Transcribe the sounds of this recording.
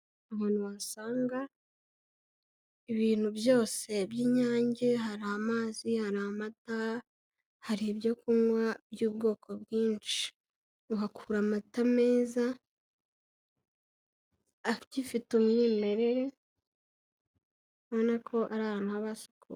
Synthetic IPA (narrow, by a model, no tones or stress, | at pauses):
aβanuwasaːŋɡa | iβiːn̥hubjo̞ːse̞bjiːɲaːɲɟe̞ɦaɾaːmaːzihaɾaːmata | haɾiβjo̞kunwabjuːbɡo̞ːkʰo̞bɡiːnt͡ʃi̥ | uβakʰuɾamatameːza | cifitumŋiːme̞ɾe̞ɾe̞ | nonakʰo̞ʔaɾaːhaːnuhaβaso̥kṵ